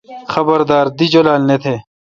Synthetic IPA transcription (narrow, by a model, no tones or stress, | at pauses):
xɐbɐɾd̪aːɾd̪id͡ʑolaːlnet̪ʰeː